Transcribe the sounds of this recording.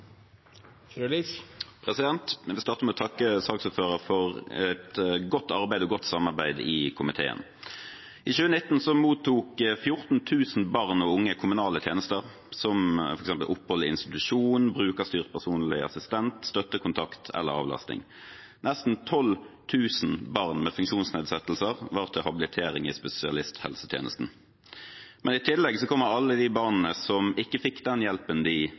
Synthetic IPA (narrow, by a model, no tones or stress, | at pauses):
pʰʁɛsɪd̪ɛnt̪ʋɪst̪ɑːʁt̪əmɛɔt̪ʰɑkːəsɑːksuːføːʁəfɔʁɛt̪ɡɔt̪ːɑʁbæɪd̪ɔɡɔt̪ːsɑmɑʁbæɪd̪ɪkʰʊmɪt̪ʰḛːə̰n | ʔɪʃʉːənɪt̪n̩sɔmuːt̪ʰːuːkfjʊʁt̪n̩t̪ʰʉːsn̩bɑʁnɔʊŋːəkʰʊmʉnɑːlət̪ʰjeːnəst̪əʁ | sɔmɔɾɛksɛmpəlʔʊpːhɔlɪ̰nst̪ɪt̪ʉʂuːnbʁʉːkəʁst̪yːʁəpʰæʁsuːnlɪ̰ɑ̰sɪst̪ɛnt̪st̪œt̪ːəkʰʊnt̪ʰɑkt̪ʰɛ̰lːə̰ɾɑ̰ːʋlɑ̰st̪ɪ̰ŋ | nɛst̪n̩t̪ʰɔlt̪ʰʉːsn̩bɑʁnmɛːfʉŋkʃuːnsneːd̪sɛt̪əl̩səʁʋɑːʁt̪ʰɪlhɑbɪlɪt̪ʰeːʁɪŋɪspɛsɪɑ̰lɪst̪hɛ̰lsət̪ʰjḛːnəst̪n̩ | mʔɛnɪt̪ʰɪlːɛɡsɔkʰɔmːəʁɑlːəd̪ɪbɑʁnn̩əsɔmɪkːəfɪkːd̪ɛnjɛlpənd̪ɪ